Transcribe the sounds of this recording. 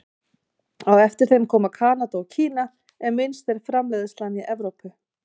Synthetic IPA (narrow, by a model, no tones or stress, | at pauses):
awɛft̪ɪɾ̥θejmkʰɔːmakʰaːnat̪acʰiːna | ɛɾmɪnst̪ɛɾ̥fɾamlɛjðʏslanɪʔɛvɾowpʏ